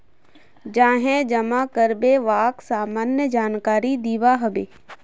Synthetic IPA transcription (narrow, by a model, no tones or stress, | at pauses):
d͡ʒãːɦɛ̃d͡ʒɐmakəɾbeʋaːksaːmaːnjəd͡ʒaːnkaːɾid̪iːʋaɦɐbeː